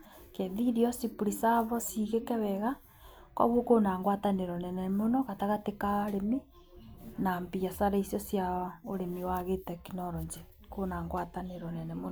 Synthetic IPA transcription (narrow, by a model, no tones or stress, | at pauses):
kenðiɾiɔsipuɾisaβɔsiɣekɛβɛɣa | kɔ̰βokonaːŋɡwataneɾɔnɛnɛmonɔɣataɣatekaɾemi | nampiasaɾaisjɔsjaoɾemiwaɣetɛkinɔɾɔɲd͡ʒe | konaːŋɡwataneɾɔnɛnɛmon